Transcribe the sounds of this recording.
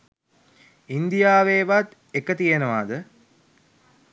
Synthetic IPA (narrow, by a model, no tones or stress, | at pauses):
ind̪ijaːʋeːʋat̪ | ekət̪ijenəʋaːd̪ə